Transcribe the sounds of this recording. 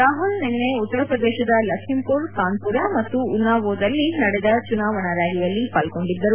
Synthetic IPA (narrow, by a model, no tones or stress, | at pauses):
ɾaːɦulnenːeut̪ːɐɾɐpɾɐd̪ɛːʃɐd̪ɐlɐkʂimpuɾk̪aːnpuɾɐmɐt̪ːuːnːaːʋoːd̪ɐlːinɐɽɛd̪ɐt͡ʃunaːʋɐɳɐɾaːɡijɐlːipaːlko̞ɳɖid̪ːɐɾu